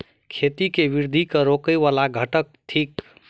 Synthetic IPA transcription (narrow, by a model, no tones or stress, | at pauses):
kʰet̪ikebiɾd̪ʱikəɾokəjʋalaɡʱəʈək̚ʈ̪ʰik